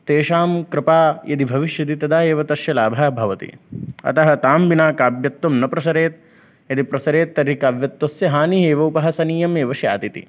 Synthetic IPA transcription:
t̪eːʃaːmkɾɪpaːjɐ̰d̪ibʱɐʋiʃjɐd̪it̪ɐd̪aːeːʋɐt̪ɐʃjɐlaːbʱaːbʱɐʋɐt̪ḭɐ̰t̪ɐɦɐt̪aːmbinaːkaːbjɐt̪ːɐmnɐpɾɐsɐɾeːt̪̚ | jɐd̪ipɾɐsɐɾeːt̪ːɐɾikaːʋjɐt̪wɐsjɐɦaːniɦeːʋɐupɐɦɐsɐniːjɐmeːʋɐʃja̰ːt̪it̪ḭ

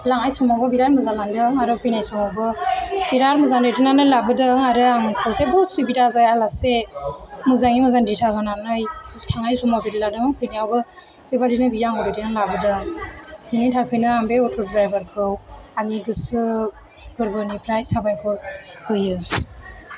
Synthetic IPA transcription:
laŋajsumawbɯbiɾaɾmɯzalandɯŋaɾɯpʰijnajsɔmawbɯbiɾaɾmɯzandɯjdɯnanɯjlabɯdɯŋaɾɯaŋkʰɯwzebɔsɯbidazajalase | mɯzaŋimɯzanditʰakʰɯnanɯjtʰaŋajsumawzɯɾiladɯŋkʰɯjniawbɯ | bebadinɯbijaŋɔwdɯjdinɯŋlabɯdɯŋhinitʰakʰɯjnɯambeɔtʰɔdɾajbaɾkʰɯwaŋiɡɯsɯ | kɯɾbɯnipʰɾajsabajpʰɔɾhʰɯjɯ

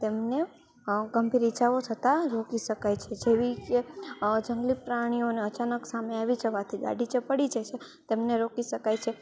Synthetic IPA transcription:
t̪emne | ɡəmbiɾit͡ʃaʋot̪ʰət̪aɾokiʃəkajt͡ʃʰed͡ʒeʋiked͡ʒəŋɡlipɾaɽ̃ioneət͡ʃanəksameaʋid͡ʒəʋat̪ʰiɡa̰ɖʱit͡ʃəpəɽid͡ʒat͡ʃʰe | t̪emneɾokiʃəkajt͡ʃʰe

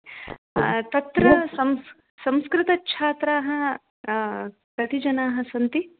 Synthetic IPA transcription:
t̪ɐt̪ɾɐsɐms | sɐ̃mskɾɪt̪ɐkːʃʰaːt̪ɾaːɦɐ̆ | kɐt̪id͡ʒɐnaːɦɐsɐnt̪i

